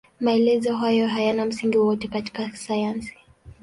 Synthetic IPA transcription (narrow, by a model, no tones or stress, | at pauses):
maɛlɛzɔɦajɔɦajanam̩siŋɡiwɔtɛkati̥kasajansi̥